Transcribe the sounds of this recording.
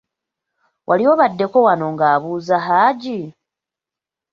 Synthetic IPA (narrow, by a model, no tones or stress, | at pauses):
wʔa̰lio̞βadːe̞ko̞wano̞ŋɡaːβuːzaɦaːɟi